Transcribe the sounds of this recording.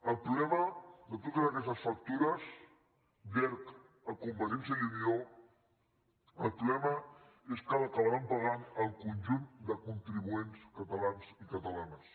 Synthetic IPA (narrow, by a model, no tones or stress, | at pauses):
əlˠpɾuβlɛməðət̪̬ot̪əzəkɛst̪əsfɐk̚t̪uɾəz | bɛɾk | əkumbəɾɛnsəunio | əlˠpɾuβɛmə | eskaðəkəlβampaɣanəlˠkunʲʒund̪əkunt̪ɾiβuenskət̪əlansikət̪əlans